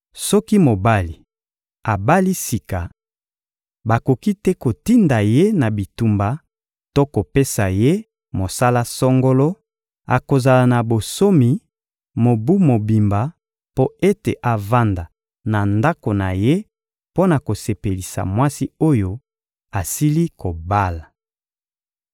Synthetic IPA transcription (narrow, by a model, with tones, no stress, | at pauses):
sɔ˦ki˦mo˨ba˦li˨ | a˨ba˦li˦si˨ka˨ | ba˨ko˨ki˦tɛ˦ko˨ti˦nda˨je˦na˨bi˨tu˨mba˨ | to˦ko˨pe˦sa˨je˦ | mo˨sa˦la˦sɔ˦ŋɡo˦lo˦ | a̰˨ko˨za˨la˨na˨bo˨so˦mi˨ | mo˨bu˦mo˨bi˨mba˨ | po˦e˦te˨ʔa˨va˦nda˨ | na˨nda˦ko˨na˨je˦ | po˦na˨ko˨se˨pe˨li˨sa̰˨mwa˦si˦o˦jo˦ | a˨si˦li˦ko˨ba˦la˨